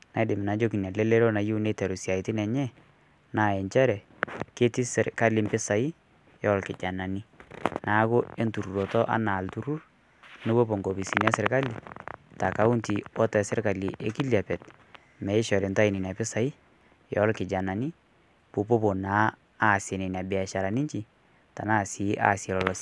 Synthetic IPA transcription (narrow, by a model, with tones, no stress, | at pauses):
na˨˦dɪ˨mɪ˨na˨d͡ʒo˦ki˨na˨le˦le˦ɾo˦na˨ju˦u˦ne˦tɛ˨ɾu˨sja˨itɪ˦nɛ˨ɲɛ˦ | na˨ɛ˨ɲt͡ʃɛ˦ɾɛ˨ | ke˦ti˦sɪ˨rka˦lɪ˦mpɪ˦sa˨i˦ | jɔ˦lkɪ˨d͡ʒa˨na˨ni˦na˨˦kʊ˦e˦ntu˨ɾu˨ɾɔ˨tɔ˦ʔa̰˨˦na˨ltu˦ɾu˦r | nɪ˦bo˦po˨ŋɡo˨bi˨si˨nɛ˦sɪ˨ɾka˦li˨ta˨ka˨˦ʊ˦nti˨wɔ˦tɛ˨sɪ˦rka˨li˨ʔe˦ki˦lja˨pɛ˨t | mɛ˨ɪ˦ʃɔ˨ɾi˨nta˦ɪ˨nɪ˨na˨pɪ˦sa˨i˦ | jɔ˨˦lkɪ˨d͡ʒa˨na˨ni˦ | po˨po˦po˨naː˨˦˨ | sɪ˨nɪ˨na˨bɪ˨a˨ʃa˨ɾa˨nɪ˦ɲt͡ʃi˨ | ta̰˨na˦˨sɪ˨˦ʔa̰˦sɛ˨lɔ˨lɔ˦si̥